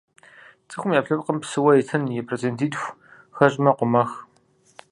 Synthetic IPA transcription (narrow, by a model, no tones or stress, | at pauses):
t͡sʼɨxʷʊmjaːpɬɨpqəmpsɨwɐɛtʰɨnjɛpʰrezentʰiːtʼxʷ | xɐɕʼmɐqʷʊmɐx